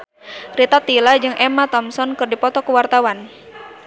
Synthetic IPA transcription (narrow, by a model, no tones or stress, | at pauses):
rit̪at̪ilad͡ʒɨŋʔɛmat̪ɔmsɔnkɨrdipɔt̪ɔkuwart̪awan